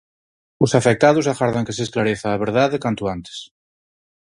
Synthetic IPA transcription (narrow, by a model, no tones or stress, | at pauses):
osafek̚t̪að̞usaɣaɾðaŋkeseːsklaɾeθaːβ̞eɾð̞aðekant̪oant̪e̥s